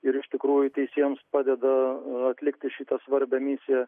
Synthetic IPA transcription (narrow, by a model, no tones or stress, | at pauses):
ɪɾɪʃt̪ʲɪkɾuːjʊt̪ʲɛɪsʲiɛjmspɑːd̪ʲɛd̪ɐɐt̪ʲlʲɪkt̪ʲɪʃʲɪt̪ɐsʋɐɾʲbʲɛmʲɪsʲɪjɛ